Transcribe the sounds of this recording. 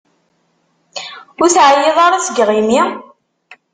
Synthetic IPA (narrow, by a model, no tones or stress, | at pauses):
ʊɾθʕajːeðˤɑɾˤæsəɡʁimi